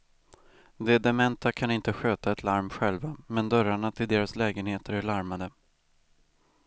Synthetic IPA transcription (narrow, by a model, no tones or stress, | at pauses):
d̪ɛd̪ɛmɛnt̪akʰanɪnt̪əɧøːt̪aɛt̪ʰlaɾmɧɛlvamɛnd̪œɾaɳat̪ʰɪld̪eːɾaslɛːɡənheːt̪əɾæɭaɾmad̪ə